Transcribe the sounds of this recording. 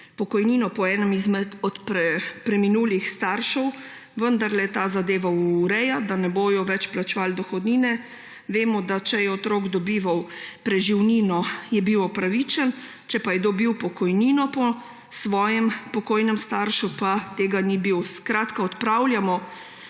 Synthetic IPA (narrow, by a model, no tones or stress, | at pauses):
pɔkɔjniːnɔpɔɛːnəmizmɛt̪ɔt̪pɾɛpɾɛminuːlixst̪aɾʃɔw | ʋənd̪aɾlɛt̪aːzad̪eːʋauːɾɛjad̪anɛboːjɔʋɛt͡ʃplat͡ʃʋaːld̪ɔxɔd̪niːnɛ | ʋeːmɔd̪at͡ʃɛjɛɔt̪ɾoːɡd̪ɔbiːʋawpɾɛʒiwniːnɔjɛbiwɔpɾaʋit͡ʃɛn | t͡ʃɛpajɛd̪obiwpɔkɔjninɔpɔ | sʋɔːjɛmpɔkoːjnɛmst̪aɾʃupat̪eːɡanibiwskɾaːt̪kaɔt̪pɾawljamɔ